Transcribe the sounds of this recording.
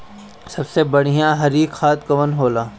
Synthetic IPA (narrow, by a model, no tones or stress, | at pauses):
sɐbsebɐɽ̤ijãɦɐɾiːkxaːt̪kɐʋənɦoːlaː